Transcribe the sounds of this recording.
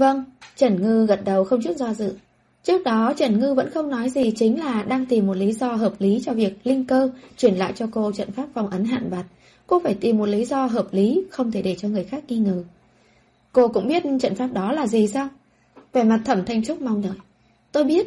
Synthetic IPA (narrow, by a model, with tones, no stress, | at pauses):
və˧ŋt͡ɕə˧˩nŋɨ˧ɣə˨˩t̚ɗə˨˩wxə˧wŋ͡mt͡ɕu˦˥t̚zɔ˧zɨ̰˧˨ | t͡ɕɨ˦˥ək̚ɗɔ˨˦t͡ɕə˧˩nŋɨ˧və̰˧˥nxə˧wŋ͡mnɔ˨˦jzi˨˩t͡ɕï˨˦ŋ̟laː˨˩ɗaː˧ŋt̪i˨˩mːo˨˩t̚li˨˦zɔ˧ɦəː˨˩p̚li˨˦t͡ɕɔ˧vi˨˩ək̚lï˧ŋkəː˧t͡ɕwi˧˩ənla̰ː˧˨jt͡ɕɔ˧ko˧t͡ɕə̰˧˨nfaː˦˥p̚fa˨˩wŋ͡mʔə˨˦nɦa̰ː˧˨nɓa˨˩t̚ | ko˧faː˧˩jt̪i˨˩mːo˨˩t̚li˨˦zɔ˧ɦəː˨˩p̚li˨˦xə˧wŋ͡mt̪ʰe˧˩ɗe˧˩t͡ɕɔ˧ŋɨ˨˩əjxaː˦˥k̚ŋi˧ŋɨː˨˩ | ko˧kʊ̰˧˥ŋ͡mɓi˦˥ət̚t͡ɕə̰˧˨nfaː˦˥p̚ɗɔ˨˦laː˨˩zi˨˩saː˧w | ve˨˩ma˨˩t̚t̪ʰə˧˩mt̪ʰa˧jŋ̟t͡ɕʊ˦˥k͡p̚ma˧wŋ͡mɗəː˨˩j | t̪o˧jɓi˦˥ət̚